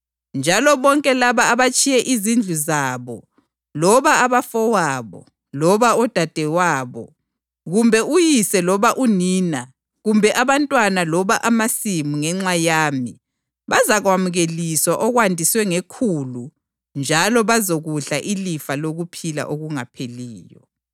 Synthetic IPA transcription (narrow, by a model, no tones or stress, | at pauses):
nd͡ʒʱalɔβɔŋkʼɛlaβaːβat͡ʃʼijɛʔizind͡ɮʱuzaːβɔ | lɔβaːβafɔwaːβɔ̰ | lɔβaɔd̥ʱad̥ʱɛwaːβɔ̰ | ɣumbʱɛujisɛlɔβaʔuniːna | ɣumbʱɛʔaβantʼwanalɔβaʔamasimuŋɛŋ͡ǁajaːmi | βazaɣwamuɣeliswaʔɔɣwandʱiswɛŋekʰulu | nd͡ʒʱalɔβazoɣuɬaʔilifaloɣupʰila̰ʔoɣuŋapʰeliːjɔ̰